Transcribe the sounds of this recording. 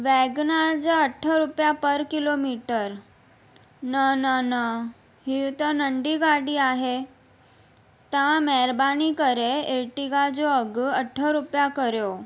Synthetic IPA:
ʋɛɡnaɾd͡zaəʈʰːəɾupjapəɾkilomiʈəɾ | nənənə | ɦit̪ənəɳɖiɡaɽiːaɦe | t̪ãmɛɾbanikəɾeeʈiɡad͡zoəɡəʈʰːəɾupjakəɾjo

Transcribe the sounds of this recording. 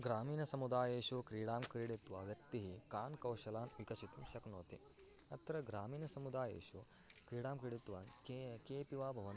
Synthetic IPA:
ɡɾaːmiːnɐsɐmud̪aːjeːʃukɾiːɽaːmkɾiɽit̪ʋaːʋjɐk̚t̪iɦikaːnkɐwʃɐlaːnʋikɐʃit̪ɐmʃɐknoːt̪ḭ | ɐt̪ːɾɐɡɾaːmiːnɐsɐmud̪aːjḛːʃu | kɾiːɽaːmkɾiɽit̪ʋaːkkeːpiʋaːbʱɐʋɐn

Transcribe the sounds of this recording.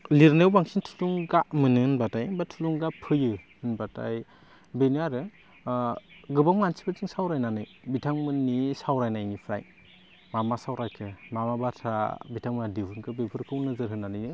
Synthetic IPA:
liɾnewbaŋsintʰu̥luŋɡaʔmɯnɯnbatajbatʰuluŋɡapʰɯjɯ | ɯnbata̰j | beniaɾɯ | ɡɯbawmansʰi̥bat͡ʃiŋsawɾajnanɯj | bitʰaŋmɯnːisawɾajnajnipʰɾa̰j | mamasawɾajkʰɯmamabatʰabitʰaŋmɯnadibɯnkʰɯbepʰɯɾkʰɯwnɯzɯɾɦɯnːanɯjnɯ

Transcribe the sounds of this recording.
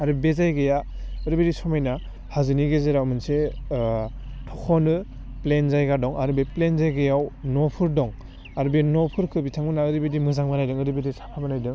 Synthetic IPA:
aɾɯbezajɡeja | ɯɾɯbedisɔmajna | hazɯniɡezeɾawmɯnse | tʰɔkʰɔnɯ | plenzajɡadɔŋaɾɯbeplenzajɡejawnɔpʰɯɾdɔŋ | aɾbenɔpʰɯɾkʰɯbitʰaŋbɯnaɯɾɯbedimɯzaŋbanajdɯŋɯɾɯbidisḁpʰabanajdɯŋ

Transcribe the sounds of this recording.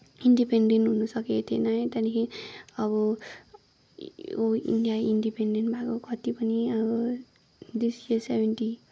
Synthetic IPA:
inɖipeɳɖenʈɦunʌsʌket̪ʰienajt̪anikʰiʌbʌ | oḭnɖijainɖipeɳɖenʈbʱakokʌt̪ipʌniʌbʌ | d̪isiesebʱenʈi

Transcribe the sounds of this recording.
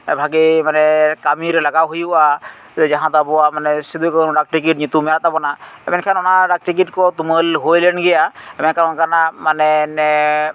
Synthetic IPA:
bʱaɡimanɛkamiɾelaɡawɦojua | d͡ʒaɦãt̪abɔamanɛsid̪ʱukənɖak̚ʈik̬iʈɲit̪umɛɾat̪abɔnaɛ̰mɛnkʰanɔnaɖak̚ʈik̬iʈkɔt̪uməlɦojlenɡɛjaɛmɛnkʰanɔnkanamanɛnɛ

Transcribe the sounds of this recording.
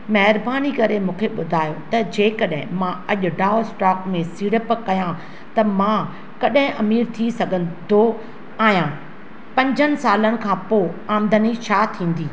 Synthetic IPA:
mɐɦɪɾbaːnikɐɾemũːkʰeɓʊd̪ʱaːjot̪ɐd͡ʑeːkɐɗɦɪ̃mãɐʄʊ̆ɖaːosʈaːkmẽsiːɽəpkɐjã | t̪ɐmã | kɐɗɦɪ̃ʔɐmiːɾt̪ʰisɐɡʱə̃nd̪o | aːɦijã | pɐ̃ɲd͡ʑʱənɪ̆saːlənɪ̆kʰãːpoːaːmd̪ʱənit͡ɕʰaːt̪ʰĩːn̆d̪iː

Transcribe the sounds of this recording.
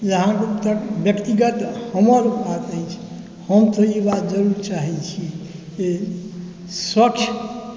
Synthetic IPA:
jəɦãket̪əbjəkt̪iɡət̪həməɾbat̪əjt͡ʃʰi̥ | həmt̪əibat̪d͡ʒəɾuɾt͡ʃaɦɛt͡ʃʰike | səkt͡ʃʰ

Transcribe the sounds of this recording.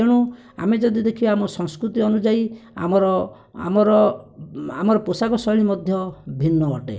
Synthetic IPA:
eɽ̃u | a̰med͡ʒɔd̪id̪ekʰiamɔsɔŋskɾut̪iɔnud͡ʒaia̰mɔɾɔ | a̰mɔɾɔ | a̰mɔɾɔposakɔsɔlimɔd̪ʱjɔbʱinːɔɔʈḛ

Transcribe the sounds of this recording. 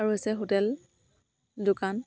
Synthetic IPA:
aɹuɦesɛɦotɛl | dʊkan

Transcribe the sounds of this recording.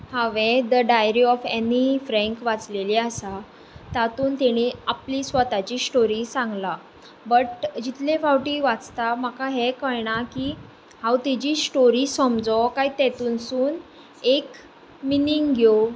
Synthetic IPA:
haʋed̪əɖajɾiɔfenifɾɛ̃ŋkʋat͡sleliasa | t̪at̪uːnt̪ɛɽ̃iapliːsʋət̪at͡ɕiːsʈoɾisãŋɡla | bəʈd͡ʑit̪lefawʈiːʋat͡st̪am̤akaɦɛkəɭɳakiː | hãwt̪ɛd͡ʑiːsʈoɾiːsəmd͡zɔkaɦiːt̪ɛt̪uːnsuːn | ek | miniŋɡɡʱjo

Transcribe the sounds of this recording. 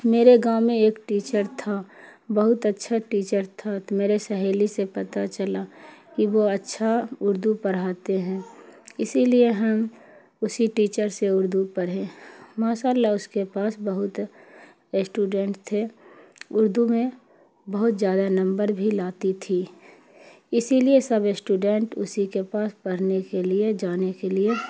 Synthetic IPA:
meːɾeɡaːmẽeːkʈiːt͡ʃəɾt̪ʰabəɦʊt̪ətːʃʰaʈiːt͡ʃəɾt̪ʰat̪meːɾesəɦeːlisepɐt̪at͡ʃəlakiʋoɐtːʃʰaʊɾd̪upəɾ̤aːt̪eɦɛ̃ːɪsilieɦəm | ʊsiʈiːt͡ʃəɾseʊɾd̪upəɾɦẽmaːʃaːlaʊskepaːsbɐɦʊt̪ | sʈuːɖɛ̃ɳʈt̪ʰe | ʊɾd̪umẽ | bɐɦʊt̪zjaːd̪anɐ̃mbəɾbʱilaːt̪it̪ʰi | ɪsiliesɐbsʈuɖɛ̃ɳʈʊ̰sikepaːspɐɽ̤nekelied͡ʒaːnekelie

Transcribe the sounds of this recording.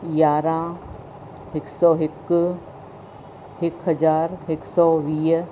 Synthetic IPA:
jaːɾã | hɪksɔːɦɪk | hɪkɦɐd͡ʒaːɾɦɪksɔːʋiː

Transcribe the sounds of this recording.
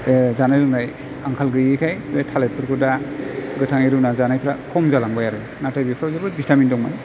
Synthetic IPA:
zanajɾɯŋnaj | aŋkʰalɡɯjɯkʰajʰɾetʰalen̚pʰɯɾkʰɯdaɡɯtʰaŋiɾɯnazanajpʰɾakʰɔmzalaŋbajaɾɯ | natajbipʰɾawzabɯbitamindɔŋmaj

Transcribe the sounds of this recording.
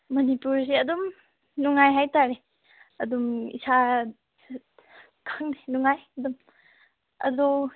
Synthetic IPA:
mɐnipuɾs̬iɐdum | nuŋajɦajtaɾe | ɐdumḭsʰa | kʰaŋnenuŋajɐdum | ɐ̰dɔ

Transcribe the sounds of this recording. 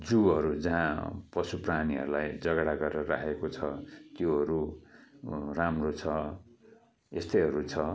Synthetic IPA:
d͡zuɦʌɾud͡zʌɦãpʌsupraniɦʌ̰ɾulajd͡zʌɡɽaɡʌreɾʌɾakekot͡sʰʌt̪joɦʌɾu | ramrot͡sʰʌ | est̪ʌjɦʌɾut͡sʰʌ

